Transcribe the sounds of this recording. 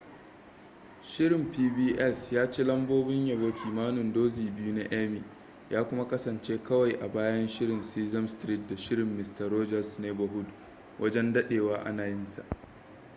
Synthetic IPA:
ʃɪ˦ɾɪ˨mpiː˦biː˦ʔɛ˦˨sjaː˦t͡ʃeː˦lɐ˦mboː˦bɪ˦ɲjɐ˨boː˦kʲiː˨maː˦nʊ˨ndoː˦ziː˨bɪ˦ju˦na˦ʔɛ˦miː˨ | jʔaː˦kʷʊ˦ma˦kɐ˦sɐ˨nt͡ʃeː˦kʰɐ˦wa˨jʔa˨baː˦jɐ˦nʃɪ˦ɾɪ˨nsiː˦zɐ˦mstɾiː˦t̚da˨ʃɪ˦ɾɪ˨mːɪ˨stɐ˨ɾoː˦d͡ʒɐ˨sneː˦bɐ˨ɦʊ˦d | wʔɐ˦d͡ʒɛ˦ndɐ˦ɗeː˨waː˦ʔa̰˦naː˨jɪ˦nsa̰˨ʔ

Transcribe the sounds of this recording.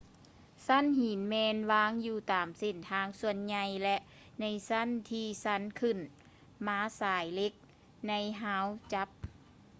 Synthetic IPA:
sa˧˥˨nhi˨˩˦nmɛː˧nwaː˧˥˨ŋjuː˧˩t̪aː˨mse˧˩nt̪ʰaː˧˥ŋsu˧ənɲa˧jlɛ˧ʔ | na˧jsa˧˥˨nt̪ʰiː˧sa˧˥˨nkʰɯ˧˩n | maː˧˥saː˨˦jle˧˥k̚ | na˧˥jɦaː˧˥˨wt͡ɕa˧˦˥p̚

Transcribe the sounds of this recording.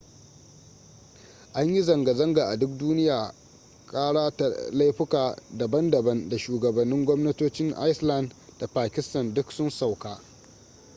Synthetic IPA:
ʔa˦ɲji˦zɐ˨ŋɡa˨zɐ˦ŋɡaː˨ʔa˨dʊ˦k̚duː˦nɪ˦jaː˨ | kʼaː˦ɽaː˦ta˨la˦jɸɪ˦kaː˨dɐ˨bɐ˦ndɐ˨bɐ˦nda˨ʃuː˨ɡɐ˨bɐ˨nːɪ˦ŋɡʷɔ˦mnɐ˦toː˦t͡ʃɪ˦ŋʔa̰˦jsla˦˨ndda˨paː˨kʲɪ˦stɐ˨ndʊ˦ksʊ˦nsa˨wkaː˦

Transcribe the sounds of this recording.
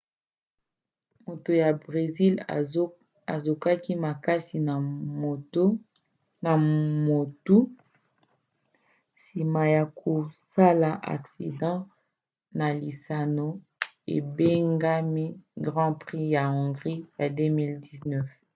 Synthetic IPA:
mo˨to˨ja˨bʁe˨zi˦l | a̰˨zo˨ka˦ki˦ma˨ka˦si˨˦ | na˨mo˨tu˦ | si˨ma˨ja˨kʰo˨sa˦la˨ʔa̰˨ksi˨dɑ̃˦ | na˨li˨sa˨no˦ | ḛ˨be˦ŋɡa˦mi˦ɡʁɑ̃˦pʁi˦ja˨ɔ̃˨ŋɡʁi˦ja˨dø˦mi˦ldi˦znɛ˦f

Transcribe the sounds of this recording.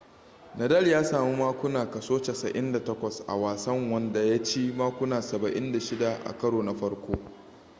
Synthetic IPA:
nɐ˨dɐ˦ljaː˦saː˨mu˦maː˦kʷʊ˦naː˨kɐ˨soː˦t͡ʃa˨sɐ˨ʔɪ˦nda˨tɐ˦kʷɐ˨sʔa̰˨waː˨sɐ˦ŋwɐ˦nda˨ja˦t͡ʃeː˦maː˦kʷʊ˦naː˨sɐ˨bɐ˨ʔɪ˦nda˨ʃɪ˦da˨ʔa̰˨kɐ˦ɽoː˨na˨ɸɐ˦ɽkʷoː˦

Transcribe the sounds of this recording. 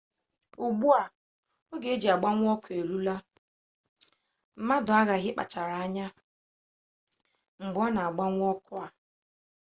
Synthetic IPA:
u˨ɡ͡bu˦a˨ | o˦ɡe˨˦d͡ʒi˨a˨ɡ͡ba˦ŋʷ˦ɔ˦kʊ˨e˨ɾu˦la˦ | m̩˦ma˦dʊ˨a˦ɣa˨ɣɪ˦k͡pa̰˨t͡ʃa˨ɾa˨a˦ɲa˦ | ŋ͡m̩˨ɡ͡bɔ˦na˨a˨ɡ͡ba˦ŋʷ˦ɔ˦kʊ˦a˨

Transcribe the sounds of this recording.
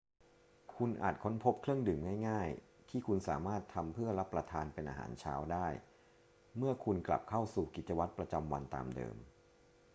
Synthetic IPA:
kʰu˧nʔa̰ː˨˩t̪̚kʰo˦˥npʰo˦˥p̚kʰɾɯ˥˩əŋdɯː˨˩mŋaː˥˩jŋaː˥˩j | t̪ʰiː˥˩kʰu˧nsa̰ː˩˦maː˥˩t̪ʰːa˧mpʰɯ˥˩ɐɾa˦˥pːɾa˧t̪ʰaː˧npe˧nʔa̰ː˧ɦa̰ː˩˦nt͡ɕʰa̰ː˦˥wdaː˥˩j | mɯ˥˩ɐkʰu˧nkla̰˨˩p̚kʰa˥˩wsuː˨˩ki˨˩t̪̚t͡ɕa˧wa˦˥t̪̚pɾa˧t͡ɕa˧mwa̰˧nt̪a̰ː˧mdɤ̰ː˧m

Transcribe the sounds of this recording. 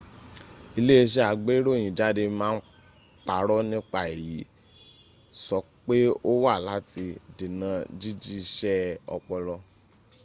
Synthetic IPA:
i˧le˦e˧ʃ̬ɛ˦a˨ɡ͡be˦ɾõ˦˨ĩ˨da˦de˧mãː˦n̩˦ | k͡pa˨ɾɔ˦nĩ˦k͡pa˦˨e˨ji˨˦ | sɔ˨ | k͡pe˦o˦wa˦˨la˨˦ti˧di˨nã˨˧d͡ʒi˦d͡ʒi˦˧ʃɛ˦ɔ̰˧k͡pɔ˧lɔ˧

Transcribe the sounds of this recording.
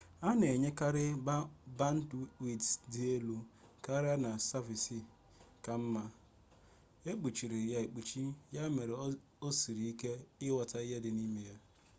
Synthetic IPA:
a˦ne˨ɲe˦ka˦ɾɪ˦ba˦ba˦n̩˦twi˨ddi˦e˦lu˨ka˦ɾɪ˦a˦na˨sa˦vi˨si˨ | ka˨m̩˦ma˦ | e˦k͡pu˨t͡ʃi˨ɾi˨ja˨e˨k͡pu˨t͡ʃi˦ja˦me˨ɾe˨ | o˦si˨ɾi˨i˦ke˦ɪ˦wa˨ta˦i˦ɦe˦dɪ˨ni˦me˨ja˦

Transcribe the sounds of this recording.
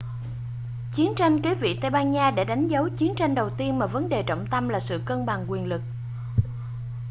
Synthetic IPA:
t͡ɕi˨˦ənt͡ɕa˧jŋ̟ki˨˦vḭ˧˨t̪ə˧jɓaː˧nɲaː˧ɗḛ˧˩ɗa˨˦jŋ̟zə˨˦wt͡ɕi˨˦ənt͡ɕa˧jŋ̟ɗə˨˩wt̪i˧ənmaː˨˩və˨˦nɗe˨˩t͡ɕə̰˧˨wŋ͡mt̪ə˧mlaː˨˩sɨ̰˧˨kə˧nɓa˨˩ŋkwi˨˩ənlɨ˨˩k̚

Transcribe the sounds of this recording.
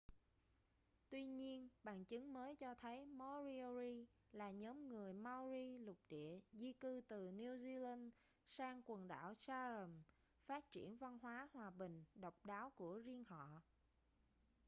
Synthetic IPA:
t̪wi˧ɲi˧ənɓa̰ː˧˨nt͡ɕɨ˨˦ŋməː˨˦jt͡ɕɔ˧t̪ʰə˨˦jmɔ˧zi˧zi˧ | laː˨˩ɲɔː˨˦mŋɨ˨˩əjma˧wzi˧lʊ˨˩k͡p̚ɗḭ˧˨əzi˧kɨ˧t̪ɨ˨˩ni˧zi˧la˧n | saː˧ŋkwə˨˩nɗa̰ː˧˩wsaː˧zə˨˩m | faː˦˥t̚t͡ɕḭ˧˩ənva˧nɦwaː˨˦hwaː˨˩ɓï˨˩ŋ̟ɗə˨˩wk͡p̚ɗaː˨˦wku˧˩əzi˧ənɦɔ̰˧˨

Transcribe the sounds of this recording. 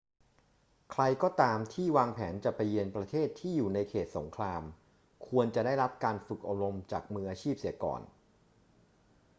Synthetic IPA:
kʰɾa˧jkɔː˥˩t̪aː˧mt̪ʰiː˥˩waː˧ŋpʰɛː˩˦nt͡ɕa˨˩pa˧jːi˧ənpɾa˧t̪ʰeː˥˩t̪ʰːiː˥˩juː˨˩na˧jkʰeː˨˩t̪̚so˩˦ŋkʰɾaː˧m | kʰu˧ənt͡ɕa˨˩daː˥˩jɾa˦˥p̚kaː˧nfɯ˨˩k̚ʔo˨˩ɾo˧mt͡ɕa̰ː˨˩k̚mɯː˧ʔaː˧t͡ɕʰiː˥˩p̚si˩˦əkɔ̰ː˨˩n

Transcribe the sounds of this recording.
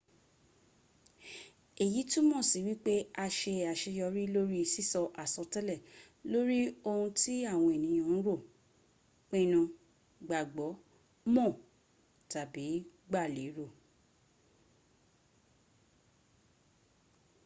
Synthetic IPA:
e˨ji˨˦tũ˦mɔ̃˦˨si˨wi˦k͡pe˦a˧ʃe˧a˨ʃe˧jɔ˧ɾi˦lo˦ɾi˦˧si˦˨sɔ˧ʔa˨sɔ˧tɛ˦lɛ˦˨ | lo˦ɾi˦o˧ũ˧ti˦a˦˨w̃ɔ̃˧e˨nĩ˨˦j̃õ˧˦ñ̩˦ɾo˦˨ | k͡pẽ˦nũ˧ | ɡ͡ba˨ɡ͡bɔ˨˦ | mɔ̃˦˨ | ta˨bi˨˦ɡ͡ba˦˨le˨˦ɾo˦˨

